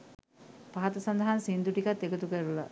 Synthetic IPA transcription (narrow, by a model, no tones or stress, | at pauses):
paɦat̪ɐsand̪ɐɦansind̪uʈikat̪ːekət̪ukəɾula̰